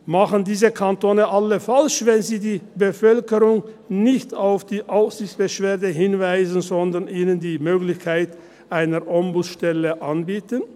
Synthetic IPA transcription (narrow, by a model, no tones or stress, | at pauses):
maχən̩diːzəkʰantoːnəʔaləfalʃvɛnziːdiːbəfœlkəʁʊŋ | nɪçtaʊfd̥iːʔaʊfz̥ɪçt͡sb̥əʃv̥eːɐdəɦɪnvaɪzn̩zɔndɐnʔiːnəndiːmøːɡlɪçkʰaɪt | ʔaɪnəʁʔɔmbʊsʃtɛləʔanbiːtən